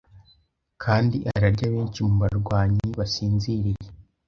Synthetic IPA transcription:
kʰaːndiʔaɾaɾɟaβeːnt͡ʃimuβaɾɡwaːɲiβasiːnziɾije

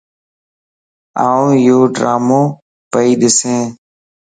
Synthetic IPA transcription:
aːũːɪjoːɖɾaːmõː | pəiːɗɪsẽː

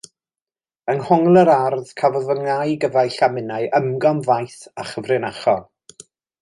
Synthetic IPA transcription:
ənhɔŋlˠəɾarð̥kʰavɔðəŋajɡəvajɬamɪnaɨʔəmɡɔmvajθaχəvrɪnaχɔ

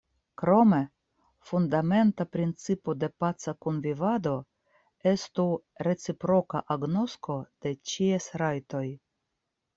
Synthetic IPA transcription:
kɾo̞me̞ | fundame̞ntapɾint͡sipo̞de̞pat͡sakonvivado̞ | e̞st̪uɾe̞t͡sipɾo̞ka̰ʔaɡno̞sko̞d̥e̞t͡ʃiesɾajto̞j

